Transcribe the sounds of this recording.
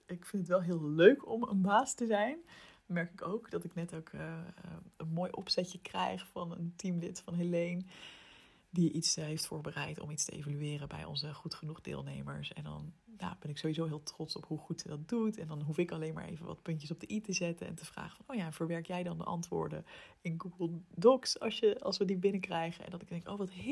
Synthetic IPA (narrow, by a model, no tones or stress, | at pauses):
ɪkfɪntətʋɛlˠɦɪːlˠløɥkʰɔmə̰nbaːstəzɛjnmɛɹkɪkowkdɑtɪknɛtoʊkʰː | ənmoːjʔɔ̰psɛcəkrɛ̰jχfɑnə̰ntimlɪtfɑnɦelejn | diʔitsɦejftfʊːɹbərɛjtɔ̰mitstəʔḛjvalyɪːrəbɛ̰jɔ̰nzəχutχənuχdɪ̰ːlˠnḛjmə̰ɹsɛ̰ndɑ̰nja̰ːb̥ɛnɪksowʋizowɦɪːlˠtrɔtsɔpɦuχutsədɑt̚dutɛndɑnɦufɪkɑlejnma̰ːɹʔḛjvəʋɑ̰tpɵnəsɔb̚dəʔitəzɛtənɛ̰ntəv̥ra̰ːχə̥fɑnowjaːvəɹʋɛɹkjɛjdɑndə̰ʔɑ̰ntʋʊ̰ːɹdə̰ɪnɡuɡəlˠdɔksɑ̰lˠsjəɑ̰lˠsʋədibɪnəkrɛjχəɛ̰ndɑtɪɡd̥ɛŋko̰wʋɑt